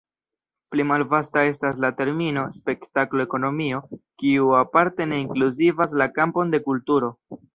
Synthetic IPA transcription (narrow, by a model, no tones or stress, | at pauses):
plimalvastae̞stas̬late̞ɾmino̞spe̞ktaklo̞eko̞no̞mio̞kiuapaɾte̞ne̞iŋkluzivas̬lakampo̞nde̞kultuɾo̞